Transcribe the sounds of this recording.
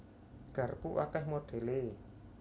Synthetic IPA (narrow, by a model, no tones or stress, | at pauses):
ɡ̥a̤rpuwa̰kɛhmoɖ̥e̤le